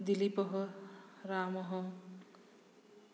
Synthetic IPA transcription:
d̪ilipɔɦʌɾaːmʌɦʌ

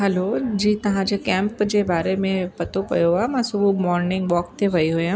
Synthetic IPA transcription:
ɦɛloːd͡ʑiːt̪ɐʋ̤ãd͡ʑekɛ̃ːmpd͡ʑebaːɾemẽpɐt̪opɐ̰joaːmãːsʊbʱumɔːɾnɪ̃ŋɡʋɔːk̚t̪ʰeʋɐiɦujã

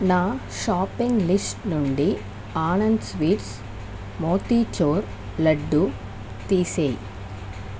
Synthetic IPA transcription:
naː | ʃaːpiŋɡlisʈnuɳɖi | aːnɐnd̪sʋiːʈs | moːt̪it͡ʃoːɾ | lɐɖːu | t̪iːseːji

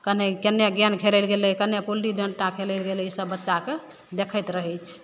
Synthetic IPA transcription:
kənekənːjeɡjankʰelɛlɡeləkənːjepulɖiɖəɳɖʈãkʰelɛlɡeləisəbːətːʃake | d̪ekʰəjt̪ɾəɦɛt͡ʃʰ

